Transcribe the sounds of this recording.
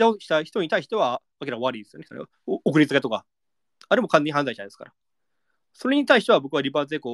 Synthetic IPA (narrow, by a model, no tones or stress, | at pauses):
d̪aoɕi̥t̪açi̥t̪o̞ɲit̪aiɕi̥t̪e̞βaː | kʲinakβaɾɯid̪esɨjone̥̰nḛ | okɯ̟ɾʲit͡sɨket̪o̞ka | aɾe̞mo̞kʰãnːeɲiɦãnzaiɕinaid̪eska̰ɾa | so̞ɾe̞ɲ̟it̪aiɕi̥t̪e̞abo̞kɯ̟βaɾʲibaːt͡sɨeːko